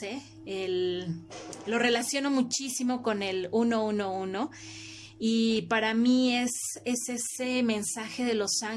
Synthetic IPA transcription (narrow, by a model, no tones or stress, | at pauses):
e | el | lo̞re̞lasjo̞no̞mut͡ʃisimo̞ko̞ne̞luno̞uno̞uno̞ | ipaɾamie̞se̞se̞se̞mẽ̞nsaxe̞ðe̞lo̞saŋ